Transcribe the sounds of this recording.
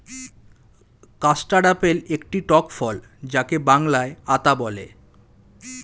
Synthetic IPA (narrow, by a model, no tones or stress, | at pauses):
kasʈaɽapelekʈiʈɔkfɔl | d͡ʑakebaŋlaeat̪abɔlḛ